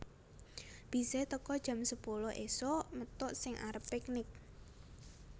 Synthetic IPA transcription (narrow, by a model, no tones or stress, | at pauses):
b̥i̤sɛt̪əkɔd̥ʒ̥ä̤msəpulʊhʔesomət̪ʊʔsɪŋʔa̰ɾəpːɛknɪk̚